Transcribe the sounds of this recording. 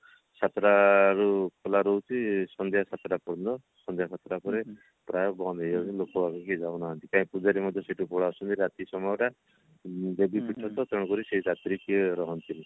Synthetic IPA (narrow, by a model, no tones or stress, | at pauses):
sat̪ɾaɾukʰɔlaɾɔwt͡ʃʰisɔnd̪ʱjasat̪ɾapɔɽɔnd̪ɔ | sɔnd̪ʱjasʰat̪ɾapɔɾe | pɾajɔbɔnd̪ʱejɔilokɔbakɔked͡ʒawnaɦɔnt̪ikãĩpud͡ʒaɾimɔd̪ʱjɔseʈupɔɽaɔsɔnt̪iɾat̪isɔmɔjɔʈa | d̪ebipiʈʰɔt̪ɔt̪ɔɽ̃kɔɾiseid͡ʒat̪ɾikiɔɾɔɦɔnt̪ini